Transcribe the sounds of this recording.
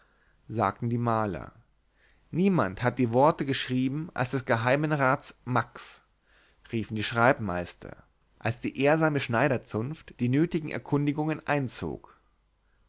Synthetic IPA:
za̰ːk̚tn̩diːmaːlɐ̰ | niːmanthat̚d̥iːvɔɐtəɡəʃʁ̥iːbm̩ʔa̰lsd̥ɛsɡ̥əɦaɪmənʁaːt͡smaks | ʁiːfn̩diːʃʁ̥aɪpma̰ɪstʰɐ̰ | ʔalsd̥iːʔeːɐzaːməʃnaɪɾɐt͡sʊnftd̥iːnøːtɪɡŋ̩ʔɛ̰ɐkʰʊndɪɡʊŋənʔa̰ɪnt͡so̰ːk

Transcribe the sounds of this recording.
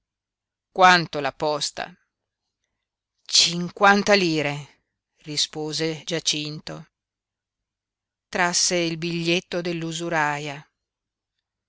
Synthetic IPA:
kwant̪olapɔst̪a̰ | t͡ʃiŋkwant̪aliːɾe | rispoːzed͡ʒat͡ʃint̪o | t̪ɾasːeilbiʎːet̪ːod̪elːuzuɾaːja

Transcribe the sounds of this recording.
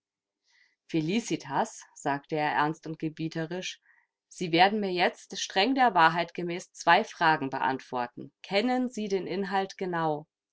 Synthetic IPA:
feliːsitʰasz̥aːktəeːɐʔɛɐnstʊnt̚ɡ̥əbiːtʰəʁɪʃ | z̥iːveːɐdn̩miːɐjɛt͡stʃtʁ̥ɛŋdeːɐvaːɐɦaɪtɡ̥əmɛːst͡sv̥aɪfʁ̥aːɡŋ̩bə̰ʔa̰ntv̥ɔɐtn̩kʰɛnənziːdeːnʔɪnɦaltɡ̥ənaʊ

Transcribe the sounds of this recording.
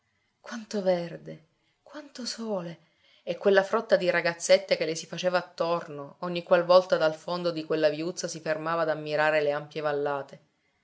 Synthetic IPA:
kwant̪ovɛrd̪e | kwant̪osoːle | ɛkːwelːafɾɔt̪ːad̪iɾaɡat̪sːet̪ːek̟elːesifat͡ʃeːvaːt̪ːornooɲːikwalvɔlt̪ad̪alfond̪od̪ikwelːavjut̪sːasifermaːvaːd̪amːiɾaːɾeleampjevalːaːt̪e

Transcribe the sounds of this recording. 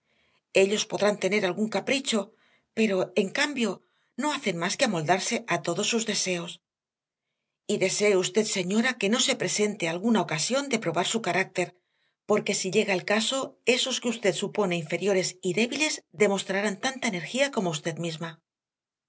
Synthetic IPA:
e̞ʎo̞spo̞ðɾant̪e̞ne̞ɾalɣuŋkapɾit͡ʃo̞ | pe̞ɾo̞e̞ŋkambjo̞ | no̞aθe̞nmaskeamo̞ld̪aɾse̞ʔat̪oðo̞sːuzðe̞se̞o̞s | iðe̞se̞ːust̪e̞t̪se̞ɲo̞ɾake̞no̞se̞pɾe̞se̞nt̪ealɣunao̞kasjo̞nd̪e̞pɾo̞βaɾsukaɾak̚t̪e̞ɾ | po̞ɾke̞siʎe̞ɣaelkaso̞e̞so̞skeust̪e̞t̪supo̞ne̞iɱfe̞ɾjo̞ɾe̞siðe̞βile̞zðe̞mo̞st̪ɾaɾant̪ant̪aene̞ɾxiako̞moust̪e̞ðmizma

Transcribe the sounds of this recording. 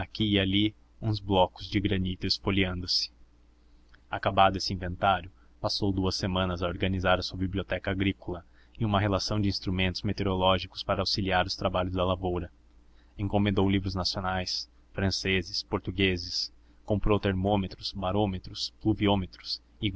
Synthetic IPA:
akiːali | ũzblɔkʊzd͡ʒɪɡɾɐnit̪ʊɪspoliɐ̃nd̪ʊsɪ̥ | akabad̪ʊesɪĩvẽnt̪aɾjʊ | pasowd̪uɐsːemɐ̃nɐzaoɾɡɐnizaɾɐsuɐbibliot̪ɛkɐaɡɾikolɐ | ɪũmɐɦelasɐ̃w̃d͡ʒɪĩst̪ɾumẽnt̪ʊzmet̪eɾolɔʒikʊ̥spaɾɐawsiliaɾʊst̪ɾabaʎʊzd̪ɐlavowɾɐ | ẽŋkomẽnd̪owlivɾʊznasionajs | fɾɐ̃sezɪspoɾt̪uɡezɪs | kõmpɾowt̪eɾmõmet̪ɾʊsbaɾõmet̪ɾʊspluviõmet̪ɾʊs | ɪ

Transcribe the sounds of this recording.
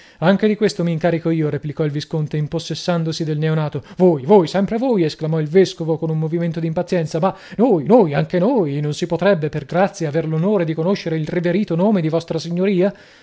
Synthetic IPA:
aŋk̟ed̪ikwest̪omiːŋkaːɾikoiːoɾeplikɔilviskont̪eimposːesːand̪osid̪elneonaːt̪ovoːjvoːjsɛmpɾevoːjesklamɔilveskovokonummoviment̪od̪impat̪sːjɛnt̪sama | nojnojaŋk̟enojnonsipot̪ɾɛbːeperɡɾat̪sːjeːverlonoːɾed̪ikonoʃːeɾeilriveɾiːt̪onoːmed̪ivɔst̪ɾasiɲːoɾiːa

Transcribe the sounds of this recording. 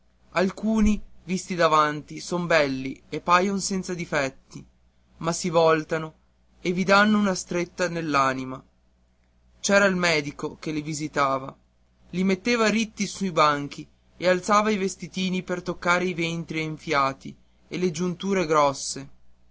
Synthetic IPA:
alkuːnivist̪id̪avant̪isombɛlːiepːaːjonsɛnt̪sad̪ifɛt̪ːi | masivɔlt̪ano | evid̪anːounast̪ɾet̪ːanelːaːnima | t͡ʃɛːɾailmɛːd̪ikokelivizit̪aːva | limet̪ːeːvaɾit̪ːisuibaŋk̟i | ealt̪saːvaivest̪it̪iːnipert̪okːaːɾeivent̪ɾieɱfjaːt̪i | eled͡ʒunt̪uːɾeɡɾɔsːe

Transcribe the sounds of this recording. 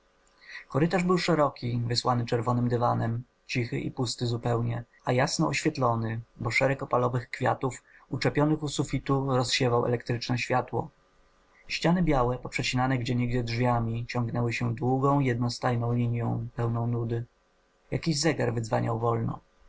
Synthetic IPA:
kɔɾɘt̪aʐbɘwʂɛɾɔkʲivɘswanɘt͡ʂɛɾvɔnɘmd̪ɘvanɛm | t͡ɕixɘ̰ʔḭpust̪ɘzupɛwɲɛ | ajasnɔɔɕfʲjɛt̪lɔnɘbɔʂɛɾɛkɔpalɔvɘxkfʲja̰t̪ufut͡ʂɛpʲjɔnɘxusufʲit̪uɾɔsɕɛvawʔɛ̰lɛkt̪ɾɘt͡ʂnɛɕfʲjat̪wɔ̰ | ɕt͡ɕanɘbʲjawɛpɔpʂɛt͡ɕinanɛɡd͡ʑɛɲeɡd͡ʑɛdʐvʲjamʲit͡ɕɔ̃ŋɡnɛwɘɕɛd̪wuɡɔ̃w̃ijɛd̪̚nɔst̪ajnɔ̃w̃lʲiɲjɔ̃w̃pɛwnɔ̃w̃nud̪ɘ | jakʲiʑzɛɡaɾvɘd̪zvaɲa̰wvɔlnɔ̰

